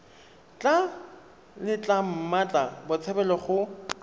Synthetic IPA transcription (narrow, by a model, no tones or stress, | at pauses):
t͡ɬʼa | lɪt͡ɬʼam̩mat͡ɬʼabʊt͡sʰɛbɛlɔχʊ